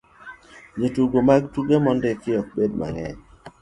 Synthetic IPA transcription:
d͡ʒetuɡomaɡtuɡemɔndɪkɪɔk̚bedma̰ŋɛ̰ɲ

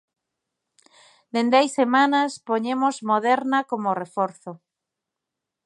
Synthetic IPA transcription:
d̪end̪ɛjsemãnaspoɲemozmoðɛɾnakomorefoɾθo

